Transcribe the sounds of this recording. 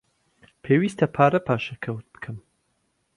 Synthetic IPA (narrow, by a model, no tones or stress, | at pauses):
pʰeːwist̪ʰɐpʰaːɾɐpʰaːʃɐkʰɐwt̪̚b̥ɨ̥kʰɨm